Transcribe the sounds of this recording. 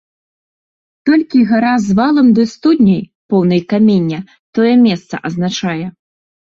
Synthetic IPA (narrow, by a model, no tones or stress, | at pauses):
t̪ɔlʲkʲiɣaɾazvalˠɐmd̪ɨst̪ud̪ʲnʲɐj | pɔwnɐjkamʲenʲːɐ | t̪ɔjɛmʲɛst̪sɐ̰ʔɐznat͡ʂajɛ